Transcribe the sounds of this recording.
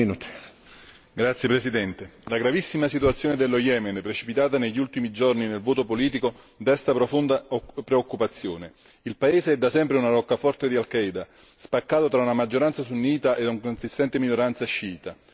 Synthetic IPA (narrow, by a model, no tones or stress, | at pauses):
nut̪ | ɡɾat̪sːjepɾesid̪ɛnt̪elaɡɾavisːimasit̪uat̪sːjoːned̪elːojɛːmenpɾet͡ʃi̥pit̪aːt̪aneʎːult̪imid͡ʒorninelvoːt̪opoliːt̪̬iko | d̪ɛst̪apɾofond̪apɾeokːupat̪sːjoːne | ilpaeːzeɛd̪ːasɛmpɾeunaɾɔkːafɔrt̪ed̪ialkɛjd̪a | spakːaːt̪ot̪ɾaunamad͡ʒːoɾant̪sas̬unːiːt̪aʔed̪uŋkonsist̪ɛnt̪eminoɾant̪saʃːiːt̪a